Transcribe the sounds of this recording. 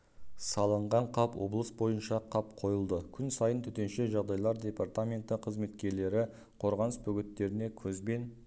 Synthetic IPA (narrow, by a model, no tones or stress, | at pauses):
sɑlˠəɴʁɑɴqʰɑpwo̞̰blˠəsbo̞jənʃɑqʰɑpqʰo̞jəlˠd̪əkʲʰʏnsɑjənt̪ʰʏt̪e̞nʃeʒɑʁd̪ɑjlˠɑɾd̪ʲe̞part̪amʲe̞nt̪əqʰəzme̞t̪kʲe̞ɾle̞ɾɪ | qʰo̞ɾʁɑnəsbʏɡʲɪt̪ːe̞ɾɪne̞kʲʰɵzbe̞n